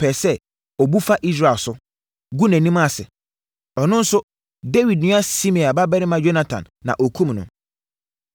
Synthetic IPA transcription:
pʰɛ˨sɛ˦ | ɔ˨bu˦fa˦ʔi˦s̬ɾa˨sʊ˦ | ɡu˦næ̃˨nĩ˦mã˦˨sɪ̰˨ | ɔ˨nʊ̃˦n̩˦sʊ˦ | de˦wi˨d̚nɪ̃˦a˦si˦mĩ˨a˨ba˦bɛ˦ɾɪ˦mã˦d͡ʑo˦na˦tʰã̰˨nːã̰˨ʔo˨kʰũ˦mnʊ̰̃˨

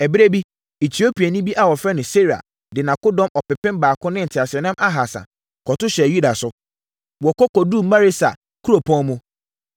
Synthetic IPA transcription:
ɛ˨bɪ˦ɾe˦bi˦ | e˨tʰi˨o˦pʰi˨a˨nĩ˦bi˦ʔa˨wɔ˨fɾɛ˦nɪ̃˨se˦ɾa̰˨ | dɪ˨nã˨kʊ˦dɔ̃˦mɔ˨pɪ˨pɪ̃˦mbaː˨kʊ̃˦nɪ̃˦n̩˨tʰɪ˨a˨ɕɪ˨ɛ˨nã˦mʔa˦ɦa˨sã̰˨ | kʰɔ˨tʊ˦ɕɛ˨ju˦da˨sʊ˦ | wɔ˨kɔ˦kɔ˨du˦˨m̩˦mã˦ɾe˦sa̰˨ | kʰu˦ɾo˨pʰɔ̃˦mʊ̃˦

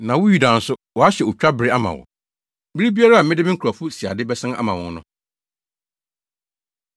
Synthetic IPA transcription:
nã˨wʊ˦ju˨da˨n̩˨sʊ˦wɔ˨a˦ɕɛ˨ʊ˨t͡ɕᶣa˦bɪ˨ɾɪ˦a˦mã̰˨wɔ̰˨ | bi˦ɾi˦bi˦a˦ɾa˦a˨m̩mɪ̃˦dɪ˦mɪ˦ŋ̩˦kʰa˨fʊ˦si˨a̰˨dɪ˦bɛ˦sã˦a̰˦mã˨wɔ̰̃˦n˦nʊ̰̃˦

